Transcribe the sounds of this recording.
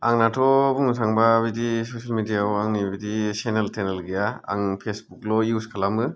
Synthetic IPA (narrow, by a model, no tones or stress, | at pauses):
aŋnatʰɔbuŋsʰaŋbaːβidisosalmidijawaŋnibidiseneltenelɡijaa̰ŋpʰesbuklɔiuskʰalamɯ